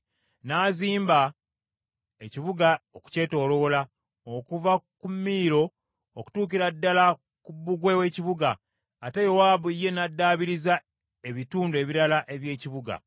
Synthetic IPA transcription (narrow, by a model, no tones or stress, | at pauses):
naːziːmba | e̞ciβuɡaoku̥ce̞ːto̞ːɾo̞la | okuvakumːiːɾo̞ | oku̥tuːk̬iɾadːala | kubːuɡwe̞we̞ciβuɡaː | te̞jo̞waːβuijːe̞nadːaːβiɾiza | e̞βituːndue̞βiɾalaʔe̞βje̞ːciβuɡa̰